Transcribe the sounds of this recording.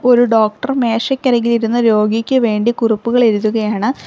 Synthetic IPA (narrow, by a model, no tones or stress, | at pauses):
o̞ɾuɖo̞ːk̚ʈɐrme̞ːʂɐkʲːɐɾɐŋːɡiliɾunːɐɾo̞ːɡikʲːɨʋe̞ːɳɖikuripːuɣɐɭeɾuðuɣɐjaːɳɨ